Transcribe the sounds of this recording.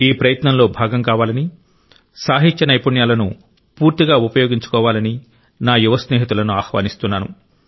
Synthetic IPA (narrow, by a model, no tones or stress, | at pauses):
iːpɾɐjɐt̪nɐmlo̞ːbʱaːɡɐmkaːʋaːlɐni | saːɦitt͡ʃɐnɐjpuɳjaːlɐnu | puːɾt̪iɡaːupɐjoːɡiɲt͡ʃu̥kɔːʋaːlɐni | naːjuʋɐsneːɦit̪ulɐnuaːxʋa̰ːnist̪unːaːnṵ